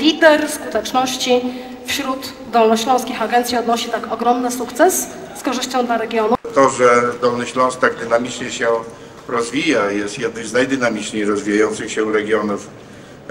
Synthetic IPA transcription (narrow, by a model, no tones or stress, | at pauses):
lʲid̪ɛɾskut̪ɛt͡ʂnɔɕt͡ɕi | fɕɾud̪ː | ɔlnɔɕlɔ̃w̃skʲixaɡɛnt̪sʲjiɔd̪nɔɕit̪akɔɡɾɔmnɘsukt̪sɛsː | kɔʐɘɕt͡ɕɔ̃w̃d̪laɾɛɡʲjɔnut̪ɔʐɛd̪ɔlnɨɕlɔ̃w̃sk̚t̪aɡ̚d̪ɘnamʲit͡ʂɲɛɕɛ | ɾɔzvʲijajɛst̪jɛd̪̚nɨmznajd̪ɘnamʲit͡ʂɲiɾɔzvʲijajɔnt̪sɘxɕɛuɾɛɡʲjɔnuf